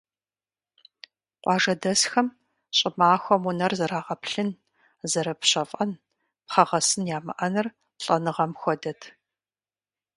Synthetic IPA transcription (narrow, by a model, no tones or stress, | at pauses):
qʷɑːʐɐdɐsxɐm | ɕʼɪmaːxʷɔmunɐrzɐɾaːʁɐpʰɬɨn | zɐɾɐpɕɐfʼɐn | pχɐʁɐsɨnjaːmɐʔɐnɨr | ɬʼɐnɨʁɐmxʷɔdɐtʰ